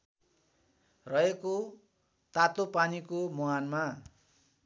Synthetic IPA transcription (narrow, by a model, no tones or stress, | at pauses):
rʌeko | t̪at̪opanikomoanma